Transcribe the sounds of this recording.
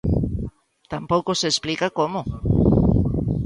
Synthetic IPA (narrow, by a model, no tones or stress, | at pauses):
t̪ampowkoseːsplikakomo